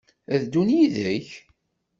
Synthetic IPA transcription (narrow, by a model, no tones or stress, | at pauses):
ðd̪unjiðəç